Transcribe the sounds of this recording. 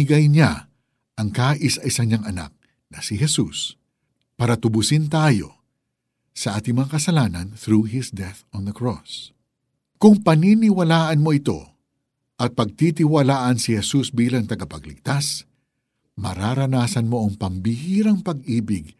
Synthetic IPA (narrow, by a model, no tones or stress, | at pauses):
ɪɡɐjɲa | ʔɐŋkaːʔɪsɐʔɪsɐŋɲaŋʔɐna̰k̚ | nɐsɪɦɛsus | paɾɐt̪ʊbʊsɪnt̪aːjo̞̰ | sɐʔaːt̪ɪŋmɐŋakɐsɐlaːnɐnθɾuːɦɪsd̪ɛθɔnðɐkɹos | kʊŋpɐninɪwɐlaːʔɐnmo̞ɪt̪o̞̰ | ʔɐt̪̚pɐɡ̚t̪it̪ɪwɐlaːʔɐnsɪhɛsusbiːlɐŋt̪ɐɡɐpɐɡlɪ̰ɡ̚t̪as | mɐ̰ɾaɾɐnaːsɐnmo̞ʔɐŋpɐmbɪhiːɾɐŋpɐɡ̚ʔiːbɪɡ